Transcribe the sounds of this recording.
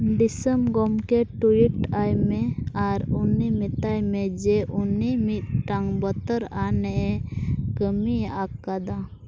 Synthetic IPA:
ɖisəmɡɔmkɛʈujiʈajmɛaɾunimit̪ajmɛd͡ʒɛʔunimit̪̚ʈaŋbət̪əɾanɛʔɛkəmiakːad̪a

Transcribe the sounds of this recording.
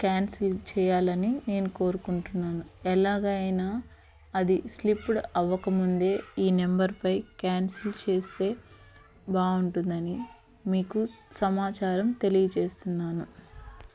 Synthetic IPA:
kjaːnsilt͡ʃɛːjaːlɐnine̞ːnuko̞ːɾukuɳʈunːaːnuɛlaːɡɐɐjnaː | ɐd̪islipːɽɐʋːɐkɐmund̪e̞ːiːnembɐɾpɐjkaːnsilt͡ʃe̞ːst̪e̞ː | baːuɳʈund̪ɐni | miːku | sɐmaːt͡ʃaːɾɐmt̪e̞lijɐt͡ʃe̞ːst̪unːaːnu

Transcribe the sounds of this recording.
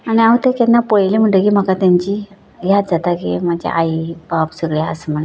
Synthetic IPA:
aɽ̃iaʋət̪ekɛnːapojlem̤əɳʈəkiːm̤akat̪jaɲt͡ɕi | ɡjʱat̪d͡zat̪akḛm̤ad͡ʑḛʔaibapsəɡɭea̰səm̤ən

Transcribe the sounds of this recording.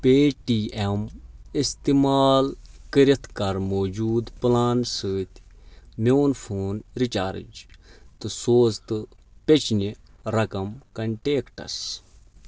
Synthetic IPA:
peːʈiːemist̪imaːlkəɾit̪ʰkɐɾmoːd͡ʒuːd̪plaːnsɨːt̪mʲoːnfʰoːnɾit͡ʃaːɾ̰d͡ʒt̪ɨsoːzt̪ɨpʲet͡ʃni | ɾɐkɐmkɐɳʈeːkʈɐ̰s

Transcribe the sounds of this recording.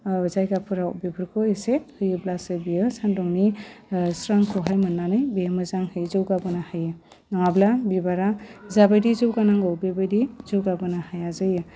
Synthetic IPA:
zajɡapʰɯɾawbibɯɾkʰɔesehɯjɯblasɯbijɯsandɔŋnisɾaŋkʰɔɦajmɯnːanɯjbijamɯzaŋhɯjzɯwɡabɯnahajɯ | naŋablabibaɾazabajdizɯwɡanaŋɡɔwbebajdizɯwɡabɯnahajazɯjɯ

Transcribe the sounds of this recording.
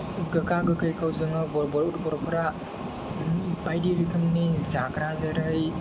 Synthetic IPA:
ɡɯkaɡɯkɯjkawzɯŋɯbɔɾbɔɾutbɔɾpʰɾa | pajdiɾikʰɯmnizakɾazeɾɯj

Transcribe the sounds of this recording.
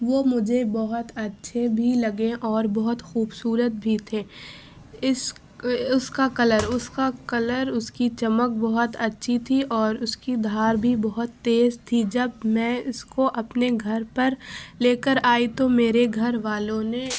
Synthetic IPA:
ʋomʊd͡ʒʱebɐɦʊt̪ɐtːʃʰebʱilɐɡẽʔɔːɾbɔɦʊt̪xuːbsuːɾət̪̚bʱit̪ʰeː | ɪs | ʊskakɐləɾʊskakɐləɾʊskit͡ʃɐmək̚bɔɦʊt̪ɐtːʃʰit̪ʰiʔɔːɾʊskid̪ʱaːɾbʱibɐɦʊt̪ːeːzt̪ʰid͡ʒɐbmɛ̃ːʊskoʔɐpneɡʱɐɾpɐɾleːkəɾaːit̪omeːɾeɡʱɐɾʋaːlõne

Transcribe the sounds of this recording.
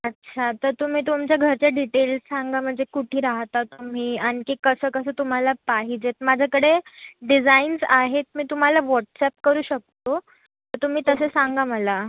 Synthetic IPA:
ətːɕʰat̪əɾt̪um̤iːt̪umt͡ɕjaɡʱəɾt͡ɕjaɖiʈelssaŋɡam̤əɳd͡zekuʈʰiːɾaɦt̪at̪um̤iːaɽ̃ikiːkəsəːkəsəːt̪um̤alapaɦid͡ʑet̪̚mad͡ʑʱakəɽeɖid͡zainsaɦet̪̚miːt̪um̤alaʋɔʈsɛp̚kəɾuːɕək̚t̪o | t̪əɾt̪um̤iːt̪əsesaŋɡaməla

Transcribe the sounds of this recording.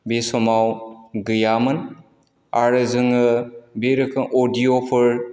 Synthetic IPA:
besɔmawɡɯjamɯn | aɾɯzɯŋɯbeɾɯkʰɯŋʔodijopʰɯɾ

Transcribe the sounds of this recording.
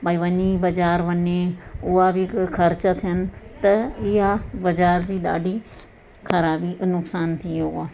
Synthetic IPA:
bɐiʋɐɲibɐd͡ʑaːɾʋɐɲeʊabɪxʰɐɾt͡ɕət̪ʰijənɪ̆t̪ɐɪɦabɐd͡ʑaːɾd͡ʑiːɗa̰ːɖʱi | xʰɐɾaːbinʊksaːnt̪ʰioaː

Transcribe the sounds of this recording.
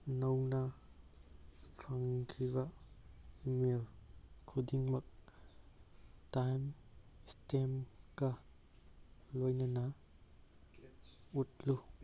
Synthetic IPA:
nownɐ | pʰaŋkʰibɐ | imelkʰudiŋmɐk̚ | tajmstemkɐ | lojnɐnɐ | ut̚lu

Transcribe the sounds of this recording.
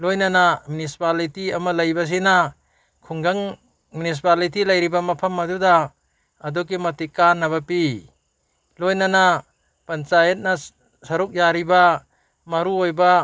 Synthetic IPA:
lojnanamunisi̥palitiamalɐjbas̬ina | kʰuŋɡaŋ | munis̬ipalitilɐjɾibamɐpʰɐmːɐdudaː | dɔk̬imɐtikanːaβapi | lojnana | pɐnt͡ʃajet̚na | sɐɾuk̚jaɾiba | maɾuojba

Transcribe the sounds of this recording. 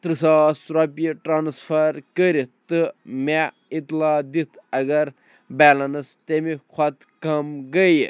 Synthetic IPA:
t̪ɾɨsaːsɾɐpjiʈɾaːnspʰɐɾkəɾit̪ɨme | it̪laːd̪it̪ʰɐɡɐɾ | bɛːlɐnɐst̪emikʰɐt̪ | kɐmɡəj

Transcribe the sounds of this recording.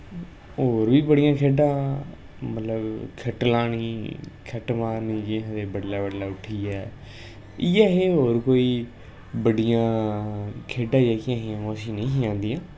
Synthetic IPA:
ɦoːɾʋiːbəɽɪjãːkʰeːɖãː | mət̪ləbkʰəʈlaːɳiːkʰəʈmaːɾniːd͡ʒiːɦãːd̪eːbəɖlaːbəɖlaːʊʈʰiːɛː | ɪjaːɦeːɦoːɾkoːiː | bəɽɪjãː | kʰeːɖãːeːkɪjãːɦiːãːõəsĩːnĩːɦiːãːnd̪iːãː

